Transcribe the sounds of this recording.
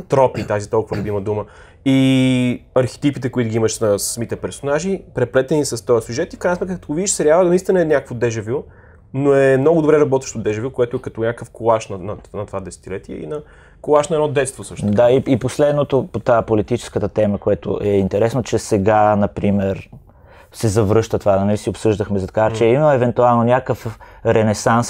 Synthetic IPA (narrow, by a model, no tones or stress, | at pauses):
t̪ɾɔpit̪azit̪ɔlˠkʊvəlʲubiməd̪umə | i | ɐɾxi̥t̪ipit̪ɛkʊit̪ʊɡʲiimɐʃsnɐssɐmit̪ɛpɛɾsonaʒipɾɛplɛt̪ɛnisɐst̪ɔjəsʲjuʒɛt̪ifkɾajnsmɛt̪kːt̪oɡovid̪iʃsɛɾialvəd̪ɐnist̪inɐɛnʲjakəkvod̪ɛʒɛvʲju | noɛmnɔɡʊd̪obɾɛɾɐbɔt̪vəʃt̪od̪ɛʒɛvʲjukoɛt̪ʊɛkɐt̪ɔnʲjakəfkolˠaʃnɐnɐnɐt̪ovad̪ɛsɛ̥t̪ilɛt̪iɛ̰ḭnɐ | kolˠaʃnɐɛnɔd̪ɛt̪st̪vosəʃd̪aiiposlɛd̪not̪opot̪apolit̪it͡ʃɛ̥skət̪ət̪ɛməkoɛt̪o̰ʔɛint̪ɛɾɛsnot͡ʃɛsɛɡanɐpɾimɛɾ | sɛzɐvɾɤʃt̪ət̪vanɐnlisiopsɤʒd̪əxmɛzɐt̪ɐkat͡ʃɛiməɛvɛnt̪ualˠnonʲakəfɾɛnɛsans